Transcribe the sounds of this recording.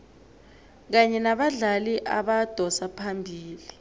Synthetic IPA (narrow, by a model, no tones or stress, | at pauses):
k̬aɲɛnaɓaɮaliʔaɓad̥ʱɔsapʰambʱiːli